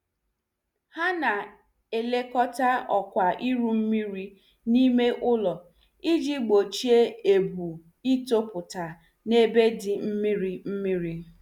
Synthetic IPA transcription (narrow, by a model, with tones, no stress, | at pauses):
ha˦na˨ | e˨le˦kɔ˦ta˦ɔ˨kʷa˨ʔi˦ɾu˦m̩˦mi˦ɾi˦ | ni˦me˦ʔʊ˦lɔ˨ | i˦d͡ʒi˦ɡ͡bo˨t͡ʃi˦e˦e˨bu˨ | i˦to˦pʊ˨ta˨ | ne˦be˦dɪ˨m̩˦mi˦ɾi˦m̩˦mi˦ɾi˦